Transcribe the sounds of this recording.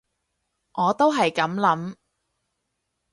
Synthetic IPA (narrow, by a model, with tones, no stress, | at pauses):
ŋɔː˨˧t̪o˥wɦɐ˨jkɐ˨˥mlɐ˨˥m